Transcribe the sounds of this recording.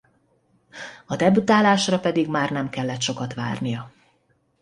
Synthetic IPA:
ɒd̪ɛbyt̪aːlaːʃrɒpɛd̪iɡmaːrnɛmkɛlːɛt̪ʃo̞kɒt̪ʋa̰ːrnijɒ

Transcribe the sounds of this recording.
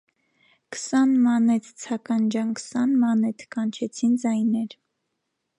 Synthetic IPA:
ksɑnmɑnɛt̪ʰt͡sʰɑkɑnd͡ʒɑnksɑnmɑnɛt̪ʰkɑnt͡ʃʰɛt͡sʰind͡zɑjnɛɾ

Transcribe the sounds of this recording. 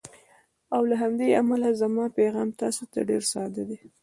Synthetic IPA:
awlaɦamd̪ea̰malazamɑpeɣɑmt̪ɑsot̪a̰ɖeɾsɑd̪ad̪e

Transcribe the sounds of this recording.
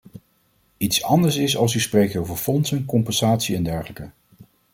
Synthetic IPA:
itsɑndəɹsɪsɑlˠsysprejk̚towvəɹfɔnsənkɔmpɛnsaːtsiɛndɛɹχələkə

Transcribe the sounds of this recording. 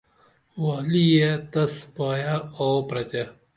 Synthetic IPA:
waːlijet̪ɐspaːjaoːpɾɐt͡ɕe

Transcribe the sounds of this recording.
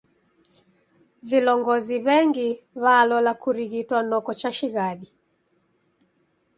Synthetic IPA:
vilɔŋɡɔziβɛŋɡi | βaːlɔlakuɾiɣitwanɔkɔt͡ʃaʃiɣaɗi

